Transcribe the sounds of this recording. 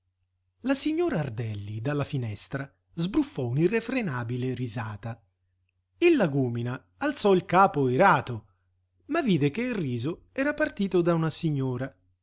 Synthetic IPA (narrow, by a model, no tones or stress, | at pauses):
lasiɲːoːɾaːrd̪ɛlːid̪alːafinɛst̪ɾa | zbɾufːɔunirːefɾenaːbileɾizaːt̪a | ilːaɡuːminaː | lt̪sɔilkaːpoeɾaːt̪o | mavːiːd̪ekeilrːiːzʊ | ɛːɾapart̪iːt̪ʊd̪aunasiɲːɔːɾa